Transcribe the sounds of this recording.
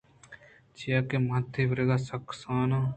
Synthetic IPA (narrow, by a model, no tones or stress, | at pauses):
t͡ʃijaːkeːmat̪ʰːiːʋəɾeːɡaːsəksaːnaː